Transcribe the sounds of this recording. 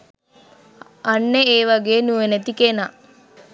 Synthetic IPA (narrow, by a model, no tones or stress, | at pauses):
anːeeːʋaɡeːnuʋenet̪ikena